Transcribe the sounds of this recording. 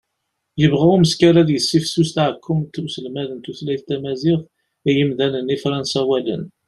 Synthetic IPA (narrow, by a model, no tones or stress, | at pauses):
jəvʁauməskaɾaðjəsːifsust̪ʕəkʰːʊmt̪usəlmæðənt̪uθlæjθt̪æmæzɪθ | jəmðænənifɾˤɑnsæwælə̰n